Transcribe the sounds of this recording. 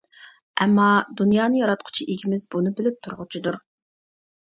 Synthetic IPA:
ɛmːɑd̪unjɑːnɨjɑɾɑt̪̚qʰʊ̥t͡ʃʰiʔeɡʲimɪzbunɨbɪlɪp̚t̪ʰʊɾʁʊt͡ʃʰid̪uɾ

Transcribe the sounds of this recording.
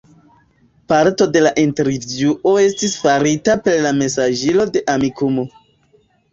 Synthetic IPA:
paɾto̞de̞laʔinte̞ɾvjuʔo̞e̞stisfaɾitape̞ɾlame̞saʒilo̞de̞ʔamikumo

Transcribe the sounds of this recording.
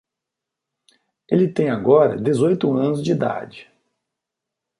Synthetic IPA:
elɪt̪ẽj̃aɡɔɾɐ̰d̪ezojt̪ʊɐ̃nʊzd͡ʒɪid̪a̰d͡ʒɪ

